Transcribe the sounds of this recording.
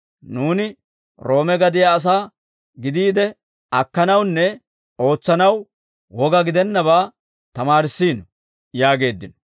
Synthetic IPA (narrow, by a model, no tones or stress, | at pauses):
nuːnɪ | ɾo̞ːmɛɡɐd̪ɪjɐːs̬aː | ɡɪd̪iːd̪ɛ | ɐkːɐnɐwnːɛ | o̞ːt͡sːɐnɐw | wɔɡɐɡɪd̪ɛnːɐβaː | t̪ɐmaːɾɪsːiːnɔ | jaːɡe̞ːd̪ːɪnɔ